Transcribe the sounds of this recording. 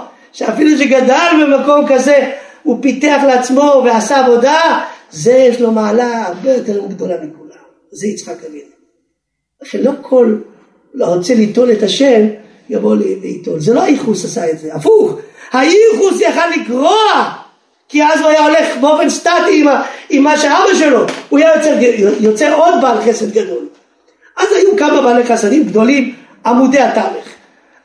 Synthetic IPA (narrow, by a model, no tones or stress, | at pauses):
ʃeafiluʃ̬eɡad̪albemako̞mkaze̞upit̪eaχleat͡smo̞veasaːvo̞d̪azejɛʃlo̞maːlaːʁbejot̪eʁoɡd̪o̞lamikulam | zeit͡sχakavin | aʃenlo̞kʰo̞l | oʁot͡selit̪o̞let̪aʃem | jaboleveit̪olzeloajiχusasaetzeafuχhajiχusjaχalːiɡʁoa | kiazuajao̞leχbeo̞fe̞nʃtat̪iimaimːaʃeabaʃelo̞uajajot͡sejot͡seod̪balχesed̪ɡado̞l | ʔazajukamabaleχasad̪imɡd̪o̞lim | amudeat̪aliχ